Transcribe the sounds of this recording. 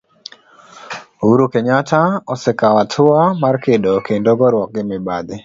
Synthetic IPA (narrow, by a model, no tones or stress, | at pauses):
uɾukeɲataɔsɛkawatʰʊamarkɪdokendɔɡɔɾwɔk̚ɡɪmɪbad̪ɪ